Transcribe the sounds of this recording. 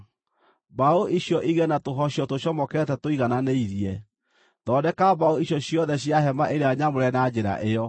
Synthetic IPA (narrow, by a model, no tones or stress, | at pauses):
baoʔiɕjɔʔiɣɛnatoɦɔɕjɔtoɕjɔmɔkɛtɛtoiɣananeiðiɛ | tɔdɛkabaoiɕjɔɕjɔðɛɕjaɦɛmaʔeɾeaɲamoɾɛnad͡ʑeɾa̰ʔejɔ